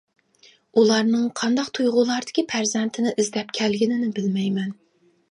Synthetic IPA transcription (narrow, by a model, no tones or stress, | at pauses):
ulˠɑɾnɨŋqʰɑnd̪ɑqt̪ʰujʁʊlˠɑɾd̪ɪ̥kʲʰipʰæɾzɛnt̪ʰɪnɪʔizd̪ɛp̚kʲʰɛlɡʲinɪnɪbɪlmɛjmɛn